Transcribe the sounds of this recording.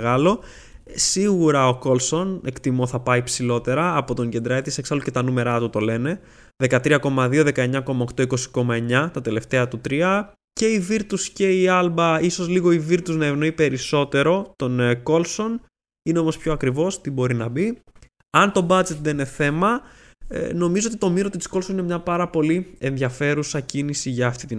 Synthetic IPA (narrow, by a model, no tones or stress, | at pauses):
ɣɐlo̞ | siɣuɾɐoko̞lso̞ne̞kt̪imo̞θɐpɐipsilo̞t̪e̞ɾɐːpo̞t̪oɲɟend̪ɾɐet̪iseksɐluce̞t̪ɐnume̞ɾɐt̪ut̪o̞le̞ne̞ | ðe̞kɐt̪ɾiɐko̞mɐðio̞ðe̞kɐe̞ɲɐko̞mɐokt̪o̞iko̞si̥ko̞mɐe̞ɲɐt̪ɐt̪e̞le̞ft̪e̞ɐt̪ut̪ɾiɐ | ce̞iviɾt̪usce̞iɐlbɐiso̞zliɣo̞iviɾt̪uznɐe̞vno̞ipe̞ɾiso̞t̪e̞ɾo̞t̪o̞nko̞lso̞n | ineo̞mo̞spço̞ɐkɾivo̞st̪ibo̞ɾinɐbi | ɐnt̪o̞bɐd͡ʒe̞t̪̚ðeine̞θe̞mɐ̰ | no̞mizo̞o̞t̪it̪omiɾo̞t̪i̥sko̞lsoninemɲɐpɐɾɐpo̞lie̞nðʝɐfe̞ɾusɐcinisiʝɐːft̪it̪i